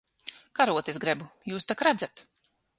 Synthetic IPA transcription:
kaɾuɔt̪esɡɾɛbujuːst̪akɾad̪zat̪

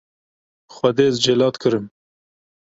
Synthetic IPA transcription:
xwad̪ezd͡ʒelɑt̪kʰəɾəm

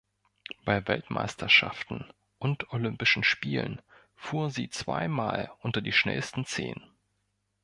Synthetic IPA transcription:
b̥aɪvɛltmʔa̰ɪstʰɐʃa̰ftn̩ | ʔʊntolʏmpɪʃn̩ʃpiːlə̰n | fuːɐzḭːt͡sv̥a̰ɪmaːlʔʊntɐdiːʃnɛ̰lstn̩t͡sḛːnə

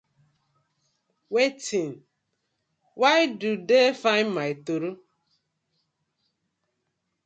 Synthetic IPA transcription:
wetin | wajdudefãɪ̃nmaɪtuɾu

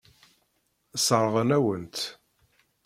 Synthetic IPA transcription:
səɾˤəʁənæwənt̪

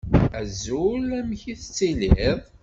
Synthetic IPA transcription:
æzulæmçiθət͡sːileðˤ

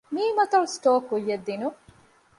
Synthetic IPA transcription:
miːmɐt̪ɐlsʈoːkujːed̪ːinu

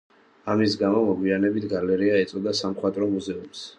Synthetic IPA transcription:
amisɡamɔmɔɡwianɛbit̪ʰɡalɛɾiaɛt̪sʼɔd̪asamχwat̪ʼɾɔmuzɛums

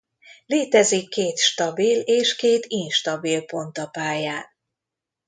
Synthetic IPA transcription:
leːt̪ɛzikːeːt̪ʃt̪ɒbileːʃkeːt̪inʃt̪ɒbilpo̞nt̪ɒpaːjaːn

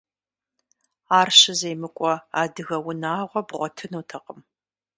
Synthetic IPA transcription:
aːrɕɪzejmɨkʷʼɔa̰ːdɨɣɐwʊnaːʁʷɔbʁʷɔtʰɨnuːtʰɐqʼəm

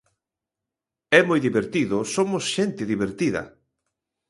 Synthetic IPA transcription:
ɛmojðiβeɾt̪iðʊsomʊsʃɛnt̪ɪðiβeɾt̪iðɐ̰

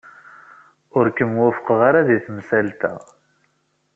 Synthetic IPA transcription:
ʊɾkəmwæfə̥qʁaɾaðiθmsælt̪æ̰

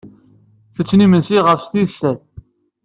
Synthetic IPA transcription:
θət͡sːnimənsiʁəfst̪isːæθ

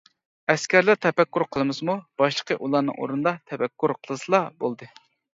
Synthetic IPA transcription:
ɛskʲæɾlæɾt̪ʰɛpɛkʲːuɾqʰəlˠɨmɨzmub̥ɑʃlˠəqʰəʔulˠɑnɨ̰ŋo̰ɾunɨd̪ɑt̪ʰɛpɛkːuɾqʰəlˠɨsɨlˠɑbolˠd̪ɨ

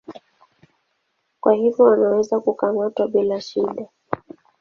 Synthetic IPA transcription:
kwahivjɔwanawɛzakukamatwaɓilaʃiɗa

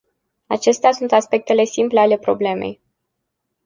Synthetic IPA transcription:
at͡ʃe̞st̪easunt̪aspe̞k̚t̪e̞le̞simple̞ale̞pɾo̞ble̞me̞̰j

